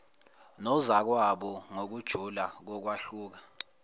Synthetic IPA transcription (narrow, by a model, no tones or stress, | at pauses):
nɔzak̬waɓɔŋok̬ud̥ʒ̥ʱulak̬ɔk̬waɬuːk̬a